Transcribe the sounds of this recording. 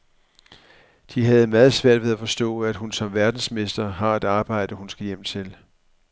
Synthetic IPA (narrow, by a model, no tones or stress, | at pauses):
d̥iɦæð̩ˠmæːð̞̩ˠsʋæɐ̰d̥ʋe̝ð̞ˠæfɒ̽sd̥ɔ̰̽ːæd̥hunsɒ̽mʋæɐd̥n̩sme̝sd̥ɐɦɑ̈e̝d̥ɑ̈ːb̥ɑ̈ɪ̰d̥əhunsɡ̥æjem̰t͡sʰe̝l